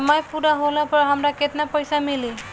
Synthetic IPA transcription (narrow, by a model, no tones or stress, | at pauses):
majpuɾaɦolapəɾɦəmɾaket̪napəjsamili